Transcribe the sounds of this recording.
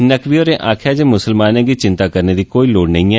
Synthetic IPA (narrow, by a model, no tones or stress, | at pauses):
nəkʋiːɔːɾeːʔaːkʰjaːd͡ʒeːmʊsəlmaːnɛ̃ːɡiːt͡ʃɪ̃nt̪aːkəɾneːd̪iːkoːiːloːɽnəɦĩːɛː